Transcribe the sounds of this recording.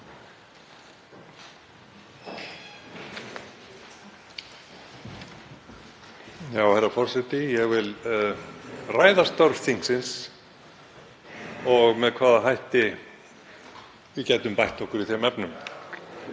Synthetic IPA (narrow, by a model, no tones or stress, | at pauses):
jaːwhejɾafɔr̥sɛt̪ɪjɛɣvɪl | raːjðast̪œɾvθiŋksɪns | ɔɣmɛðkʰvaːðaɦajht̪ɪ | vɪcɛt̪ʏmpajht̪ɔhkʏɾiθɛmɛpnʏm